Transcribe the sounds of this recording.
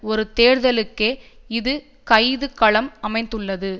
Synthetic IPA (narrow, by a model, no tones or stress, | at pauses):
ɔɾɯt̪eːɾðɐlɯkːeː | ɪðɯ | kɐɪðɯkːɐɭɐmɐmɐɪnd̪ɯɭːɐðɯ